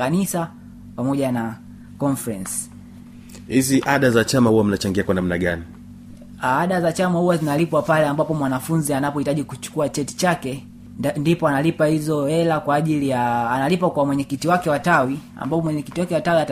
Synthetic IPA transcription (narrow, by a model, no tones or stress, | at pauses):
anisa | pamɔʄana | kɔnfɾɛnsi̥ | hiziʔaɗazat͡ʃamahuwam̩nat͡ʃaŋɡiakwanam̩naɠani | aaɗazat͡ʃamahuwazinalipwapalɛambapɔmwanafunzianapɔhitaʄikut͡ʃu̥kuat͡ʃɛti̥t͡ʃakɛ | ndipɔanalipahizɔhɛlakwaːʄilijaːnalipakwamwɛɲɛkitiwakɛwatawia̰mbapɔmwɛɲɛkitiwakɛwatawiat